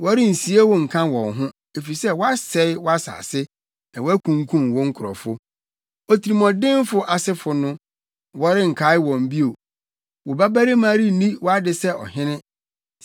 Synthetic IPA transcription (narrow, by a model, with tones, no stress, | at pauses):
wɔ˦ɾɪ˦n̩˨si˨˦e˦wʊ˦ŋ̩˨kʰã˦wɔ̃˨nɦʊ̃˦ | e˨fi˨i˨sɛ˦wɔ˦a˦sɛ˦ɪ˦wɔ˦a˦sa̰ː˨sɪ˦ | nã˨wɔ˦æ˦kʰũ˨ŋ˦kʰũ˦mwɔ˦ŋ̩˦kʰʊ˨ɾɔ̰˨fʊ˦ | ɔ˦tʰi˨ɾi˨mɔ̃˨dɪ̃˦m˦fʊ˨ʔa˨sɪ˦fʊ˨nʊ̃˦ | wɔ˦ɾɪ˦ŋ̩˨kʰa˨˦ɪ˦wɔ̃˨m̩˨bi˦o˨ | wɔ˨ba˦ba˦ɾi˦mãː˦ɾi˦nĩ˦wɔ˦a˦dɪ˨sɛ˦ɔ̰˨ɦɪ̃˦nɪ̃˦